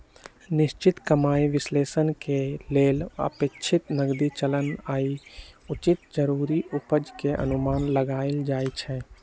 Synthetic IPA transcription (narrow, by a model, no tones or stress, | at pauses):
nɪʃt͡ʃɪt̪kəmaːiʋɪsleːsənkeleːlə̰pet͡ʃʰɪt̪nəɡd̪it͡ʃələnaːiʊt͡ʃɪt̪̚d͡ʒəɾuːɾiʊpəd͡ʒkeʔə̰nʊmaːnləɡaːeld͡ʒaːit͡ʃʰɛ